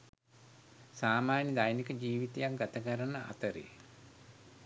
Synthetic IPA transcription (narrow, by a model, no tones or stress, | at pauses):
saːmaːnəd̪ajnikəd͡ʒiːʋit̪ejakɡat̪əkəɾanːəʔa̰t̪əɾḛː